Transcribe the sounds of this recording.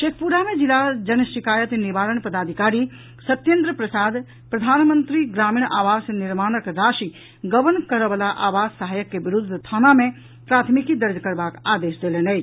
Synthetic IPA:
ʃet̪ʰpuɾamẽd͡ʒɪlad͡ʒɐnʃɪkaːjət̪niʋaːɾəɳ̃pɐd̪aːd̪ʱikaːɾi | sɐt̪jẽnd̪ɾəpɾəsaːd̪ | pɾɐd̪ʱaːnmə̃nt̪ɾiɡɾaːmiːɳaːʋaːsenɪɾmaːnəkɾaːʃi | ɡəʋənkəɾəʋəlaʔaːʋaːzsəɦaːjəkːeʋɪɾʊd̪ʱt̪ʰaːnamẽ | pɾaːt̪ʰmikid̪əɾd͡ʒkəɾbaːkaːd̪eːʃd̪eːlenej

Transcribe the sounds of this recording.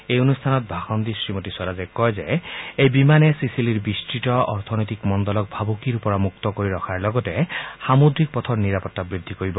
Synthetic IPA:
ejonust̪ʰanɔt̪̚bʱaxɔnd̪isɹimotisɔɾazɛkɔjzeejbimanɛsisiliɹbisʈitɔɔɹt̪ʰɔnɔjt̪ikmɔnd̪ɔlɔk̚bʱabokiɾupɔɹamukt̪ɔkoɹiɾɔkʰaɹlɔɡɔtɛxamod̪ɹik̚pɔt̪ʰɔɹniɾapɔt̪ːabɹid̪ʱːikoɹibɔ

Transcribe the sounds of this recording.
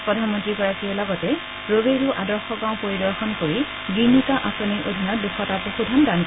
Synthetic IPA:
pɹɔdʱanmɔntɹikɔɹakiɔlɔɡɔtɛ | ɹobeɹuʔadɔɹxɔɡãʊ̃poɹidɔɹxɔnkoɹi | ɡɹinitaʔasɔniʔod̪ʱinɔduxʰɔtapoxudʱandan

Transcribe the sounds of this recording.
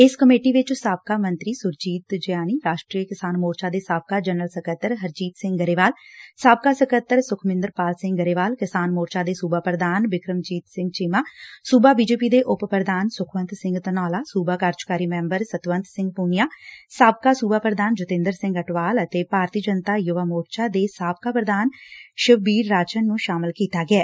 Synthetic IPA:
ɪskəmeːʈiːʋɪt͡ʃsaːb̚kaːmənt̪ɾiːsʊɾd͡ʒiːt̪d͡ʒɪjaːniːɾaːʃʈɾiːəkɪsaːnmoːɾt͡ʃaːd̪eːsaːb̚kaːd͡ʒənəlsəkət̪ːəɾɦəɾd͡ʒiːt̪sɪ̃ŋɡɡəɾeːʋaːlsaːb̚kaːsəkət̪ːəɾsʊkʰmɪ̃nd̪əɾpaːlsɪ̃ŋɡɡəɾeːʋaːlkɪsaːnmoːɾt͡ʃaːd̪eːsuːbaːpɾəd̪aːnʋɪkɾəmd͡ʒiːt̪sɪ̃ŋɡ̚t͡ʃɪmaːsuːbaːbiːd͡ʒeːpiːd̪eːʔʊppɾəd̪aːnsʊkʰʋə̃nt̪sɪ̃ŋɡt̪ənɔːlaːsuːbaːkaːɾd͡ʒkaːɾiːmɛ̃ːmbəɾsət̪ʋənt̪sɪ̃ŋɡ̚puːnijaːsaːb̚kaːsuːbaːpɾəd̪aːnd͡ʒʊt̪ɪ̃ːnd̪əɾsɪ̃ŋɡəʈʋaːlət̪eːpaːɾt̪iːd͡ʒənt̪aːjʊʋaːmoːɾt͡ʃaːd̪eːsaːb̚kaːpɾəd̪aːnʃəʋbiːɾːaːt͡ʃənːũːʃaːmɪlkiːt̪aːɡɪɛː

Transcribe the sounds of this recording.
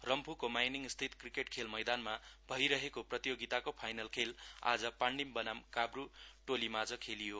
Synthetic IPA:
rʌmpʰukomajniŋst̪ʰit̪krikeʈkʰelmʌjd̪anmabʱʌjɾʌɦekoprʌt̪ijoɡit̪akopʰajnʌlkʰela̰d͡zʌpaɳɖimbʌnamkabruʈolimad͡zʌkʰelijo

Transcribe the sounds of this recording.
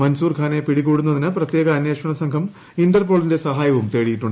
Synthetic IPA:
mɐnsuːrkʰaːnepiɽikːuːɽunːɐðinɨprɐt̪jeːɣɐːnjeːʂɐɳɐsɐŋkʰɐm | indɐrp̬o̞ːɭinde̞sɐɦaːjɐʋumt̪e̞ːɻijiʈːuɳɖ

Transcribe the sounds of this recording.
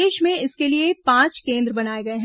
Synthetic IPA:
eːʃmẽɪskeliepãːt͡ʃkẽːnd̪ɾəbɐnaːeɡɐeɦɛ̃

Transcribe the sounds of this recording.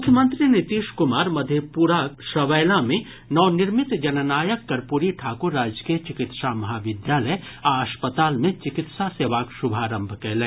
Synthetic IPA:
mʊkʰjəmə̃nt̪ɾinɪt̪iːʃkʊmaːɾmɐd̪ʱepuɾaʃɐʋɛːlamẽ | nɔːnɪɾmɪt̪d͡ʒɐnənaːjəkːɐɾpuɾiʈʰaːkuɾːaːd͡ʒkijət͡ʃɪkɪt̪ʃamɐɦaːʋɪd̪jaːləj | aɐʃpət̪aːlmẽt͡ʃɪkɪt̪ʃaseːʋaːkʃʊbʱaːɾə̃mbʱkɛːlẽː

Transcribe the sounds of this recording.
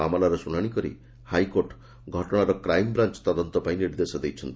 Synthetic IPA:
a̰mɔlaɾɔsunaɽ̃ikɔɾḭ | hajkoɾʈ | ɡʱɔʈɔɽ̃aɾɔkɾajmbɾant͡ʃɔ̥t̪ɔd̪ɔnt̪ɔpaĩniɾd̪esɔd̪ejt͡ʃʰɔnt̪i

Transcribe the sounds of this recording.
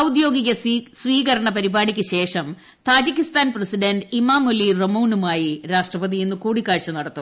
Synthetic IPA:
ɐwud̪jo̞ːɡiɣɐsʋiːɣɐɾɐɳɐpɐɾibaːɽikʲːɨɕe̞ːʂɐm | t̪aːd͡ʑikʲːist̪aːnprɐsiɖɐnɖimaːmolːiremɐwnumaːjiɾaːʂʈrɐʋɐd̪ijenːukuːɽikːaːɻt͡ɕːɐnɐɽɐt̪ːu

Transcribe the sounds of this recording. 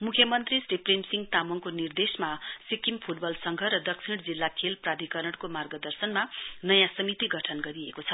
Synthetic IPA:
mukʰjʌmʌnt̪risripremsiŋɡt̪amoŋkonird̪esmasikimpʰuʈbʌlsʌŋɡʱʌɾʌd̪ʌksʰiɽd͡zilːakʰelprad̪ʱikʌrʌɽkomarɡʌd̪ʌrsʌnmanʌjãsʌmit̪iɡʱʌʈʰʌnɡʌɾiekot͡sʰʌ

